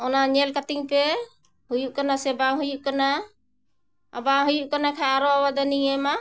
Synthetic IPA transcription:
ɔnaɲɛlkat̪iŋpɛ | ɦujuʔkanasɛbaŋɦujuʔkana | abaŋɦujuʔkanakʰaːɾɔawad̪anijɛma

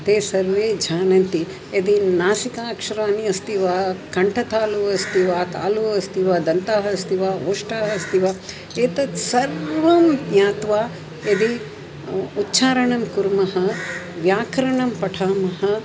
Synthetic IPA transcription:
t̪eːsɐɾʋeːd͡ʒʱaːnɐnt̪i | ɐd̪inaːsikaːkʂɐɾaːniɐst̪iʋaːkɐɳʈʰɐt̪aːluʋɐst̪iʋaːt̪a̰ːluɐst̪iʋaːd̪ɐnt̪aːɦɐst̪iʋaːoːʂʈaːɦɐst̪iʋaː | eːt̪ɐsɐɾʋɐmjaːt̪ʋaː | ed̪i | utːt͡ʃʰaːɾɐɳɐmkuɾmɐɦɐ | ʋjaːkɐɾɐɳɐmpɐʈʰaːmɐɦɐ

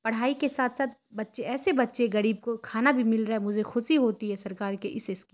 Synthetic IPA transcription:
pɐɽ̤aːikesaːt̪ʰsaːt̪̚bɐtːʃeɛːsebɐtːʃeɡɐɾiːb̚kokʰaːnabʱimɪlɾɐɛmʊd͡ʒʱexʊʃiɦoːt̪iɦɛsɐɾkaːɾkeʔɪseski

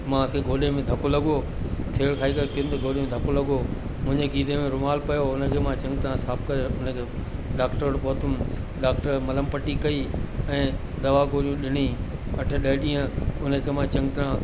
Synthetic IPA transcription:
mãkʰeːɡʱoːɗemẽd̪ʱɐkolɐɡo | t̪ʰeːɽkʰaːikɐɾkint̪eɡʱoːɗemẽd̪ʱɐkolɐɡo | mʊ̃ɦɪ̃ɲd͡ʑeɡiːd̪emẽɾʊmaːlpɐjoʊnəkʰeːmãt͡ɕɐ̃ŋɡt̪ɾãsaːpʰkɐɾeʊnəkʰeːɖaːkʈəɾɽpɔːt̪ʊm | ɖaːk̚ʈəɾmɐləmpɐʈikɐiɛ̃ː | d̪ɐʋaɡoːɾjũɗɪɽ̃iɐʈʰə̆ɗɐɦɪɗĩːə̃ʊnə̆kʰeːmãt͡ɕɐ̃ŋɡt̪ɾãː

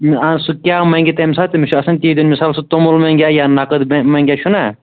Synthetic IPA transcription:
masukʲaːmɐŋɡʲit̪emsaːt̪emiʃʰuɐsɐnt̪ʲiːd̪onmisaːlsut̪omulmɐŋɡʲaːjaːnɐkəd̪bmɐŋɡʲaːʃuna

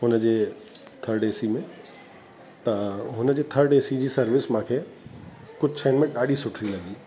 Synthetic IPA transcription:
ɦʊnəd͡ʑeː | t̪ʰəɾɖeːsimẽ | t̪ɐɦʊnəd͡ʑeːt̪ʰɐɾɖeːsid͡ʑiːsɐɾʋɪsmãːkʰeː | kʊd͡ʑʱt͡ɕʰɐːnmẽɗaːɗisʊʈʰɾilɐɡiː

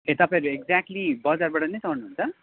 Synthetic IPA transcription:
ẽt̪ʌpãɾueɡd͡zak̚ʈlibʌd͡zarbaʈʌnejsawnuɦunt͡sʰʌ

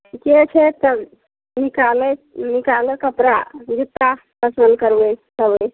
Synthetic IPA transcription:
ket͡ʃʰɛt̪ə | nikalenikaləkəpɾa̰d͡ʒit̪ːa | pəsənd̪̚kəɾbesəbəj

